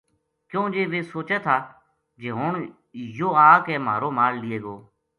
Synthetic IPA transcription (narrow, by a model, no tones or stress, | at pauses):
kjõːd͡ʒeːʋeːsoːt͡ʃeːt̪ʰaː | d͡ʒeːɦoːɳ | joːaːkɛːma̰ːɾoːmaːllɪeːɡoː